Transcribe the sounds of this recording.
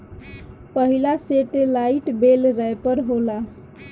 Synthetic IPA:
pəɦilaseʈelaiʈbelɾəepəɾɦola

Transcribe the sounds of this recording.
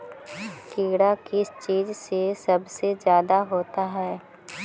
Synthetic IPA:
kɪːɡɽakɪst͡ʃiːd͡ʒsesɐbsed͡ʒjaːd̪aɦoːt̪aɦɛː

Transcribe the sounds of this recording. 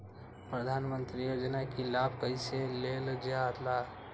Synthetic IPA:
pɾəd̪ʱanmənt̪ɾijod͡ʒnakilabʱkəjseleld͡ʒat̪la

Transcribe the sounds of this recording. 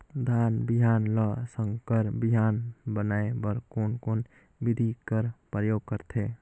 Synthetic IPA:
d̪ʱanbiɦanləsə̃ŋkəɾbiɦanbənaebəɾkonkon | bid̪ʱikəɾpɾəjoɡ̚kəɾt̪ʰe

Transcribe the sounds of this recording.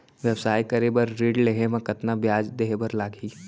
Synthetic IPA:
ʋjəbsaːikɐɾebɐɾɾiːɖleɦemɐ̃kɐt̪nabjaːd͡ʒd̪eɦebɐɾlaːɡʱiː

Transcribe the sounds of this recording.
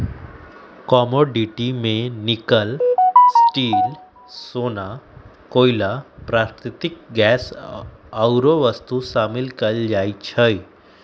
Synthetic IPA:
kɔmoɖiʈimenikəlsʈiːl | sona | koilapɾaɾt̪it̪ik̚ɡɛs | əwɾoʋəst̪usamilkəld͡ʑajt͡ɕʰəj

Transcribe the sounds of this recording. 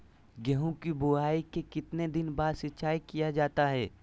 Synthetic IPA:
ɡɛɦõkibʊaːikekɪt̪ned̪ɪnbaːd̪sɪtːʃaːikijad͡ʒaːt̪aɦɛː

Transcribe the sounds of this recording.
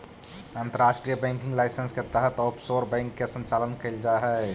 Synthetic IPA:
ant̪əɾaʃʈɾijəbɛ̃ŋkĩŋɡlaɪsənsket̪əɦət̪opsoɾbɛ̃ŋkːesə̃nt͡ʃalənkəɪld͡ʒaɦɛ

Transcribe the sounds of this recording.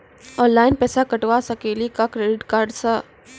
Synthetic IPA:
ɔ̃ːnlaːɪnpɛːsakəʈʋasəkelikakɾeːɖɪʈkaːɾɖsə

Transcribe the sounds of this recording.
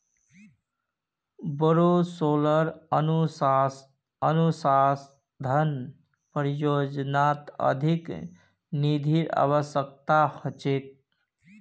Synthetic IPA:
bəɾosoːləɾənusas | ənusas | d̪ʱən | pəɾijod͡ʒnat̪ə̰d̪ʱik | nid̪ʱiɾa̰ʋəsjək̚t̪ahət͡ʃet̪̚

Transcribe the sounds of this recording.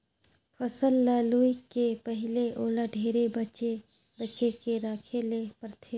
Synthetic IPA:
fʰɐsəlːaːluːikepɐɦɪleʔoːlaɖʱeːɾebət͡ʃe | bəːʃekeɾaːkʰelepəɾt̪ʰe

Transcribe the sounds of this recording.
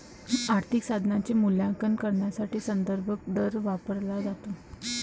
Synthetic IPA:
aɾt̪ʰiksad̪ʱnat͡ɕemuljãŋkənkəɾɳjasaʈiːsənd̪əɾbʱək̚ɖ̪əɾʋapəɾlad͡zat̪o

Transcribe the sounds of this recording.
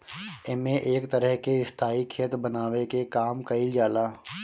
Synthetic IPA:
ɪmẽʔeːkt̪əɾəɦkeɪst̪ʰaːikʰeːt̪ɾbənaːʋekekaːmkəid͡ʒaːlaː

